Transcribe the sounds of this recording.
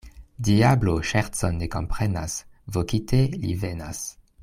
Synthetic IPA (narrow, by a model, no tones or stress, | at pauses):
diabloʃɛʁt͡sɔnːekõmpχenasvokitʰelḭvena̰s